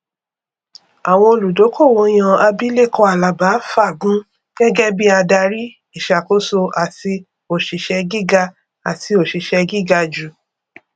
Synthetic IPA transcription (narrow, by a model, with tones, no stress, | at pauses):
a˨w̃ɔ̃˧o˧lu˨do˨˦ko˦˨wo˨˧˦j̃ã˧a˧bi˦le˦˨kɔ˧a˨la˨ba˨˦fa˦˨ɡũ˨˦ | ɡ̥ɛ˦ɡɛ˦bi˦a˧da˧ɾi˦ | i˦˨ʃa˨ko˦so˧a˨ti˧ | o˨ʃi˨˦ʃɛ˧ɡi˦ɡa˧ | a˨ti˧o˨ʃi˨ʃɛ˧ɡi˦˨ɡa˧d͡ʒu˨